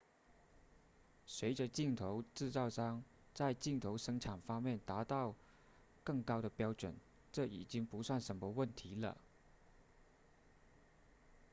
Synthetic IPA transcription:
swe˧˥ɪʈ͡ʂə˧t͡ɕi˥˩ŋt̪ʰo˧˥ʊʈ͡ʂɻ̩˥˧t͡sɑ˥˧ʊʂɑ˥ŋ | t͡sa˥˧ɪt͡ɕi˥˩ŋt̪ʰo˧˥ʊʂɤ˥ŋʈ͡ʂʰa˨˩nfɑ˥ŋmjɛ˥˩nt̪a˧˥t̪ɑ˥˧ʊ | kɤ˥˩ŋkɑ˥ʊɾə˨pjɑ˥ʊʈ͡ʂwə˨˩n | ʈ͡ʂɤ˥˩ḭ˨˩t͡ɕi˥ŋpu˧˥swa˥˩nʂə˧˥nmə˧wə˥˩nt̪ʰi˧˥lə̰˧

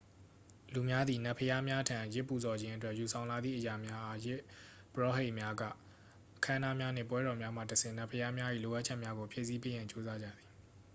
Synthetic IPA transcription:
lu˨mja˦d̪ði˨na˦˨pʰəja˦mja˦tʰã˨jɪ˦pːu˨zɔ˨d͡ʑɪ̃˦ʔətwɛ˦ʔju˨sʰã˨ʊ̃la˨d̪ðḭ˦˨ʔəja˨mja˦ʔa˦jɪ˦ | pəɹɔ˦˨ɦe˦ɪʔmja˦ɡä̰˦˨ | ʔəkʰã˦na˦mja˦n̥ɪ̰̃˦˨pwɛ˦ɾɔ˨mja˦m̥ä̰˦˨təsɪ̃˦˨na˦˨pʰəja˦mja˦ʔḭ˦˨lo˨ʔa˦t͡ɕʰɛ˦ʔmja˦ɡo˨pʰjḛ˦˨ʔsi˦pe˦jã˨ɲt͡ɕo˦za˦d͡ʑa̰˦˨d̪i˨

